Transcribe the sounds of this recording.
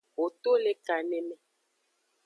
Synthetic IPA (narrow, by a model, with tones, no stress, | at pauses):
wo˨t̪o˦le˦ka˨nɛ˦mɛ̃˦